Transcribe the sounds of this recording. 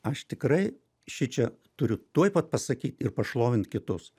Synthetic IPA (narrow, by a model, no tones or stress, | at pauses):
ɐʃt̪ʲɪkɾɐɪ | ʃʲɪt͡ʃʲɛ | t̪ʊɾʲʊt̪uɔjpɐt̪̚pɐsɐkʲiːt̪ʲɪrpɐʃlˠoːʋʲɪnt̪kʲɪt̪ʊs